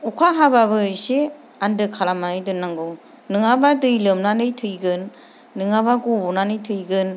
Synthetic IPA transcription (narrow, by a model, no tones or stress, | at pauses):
ukʰaɦabaβɯjse | andɯkʰalamaɯjdɯnːaŋɡɯŋ | nɯŋabadɯjlɯmnanɯjtʰɯjɡɯnː | ɯŋabaɡɔbɔnanɯjtʰɯjɡɯn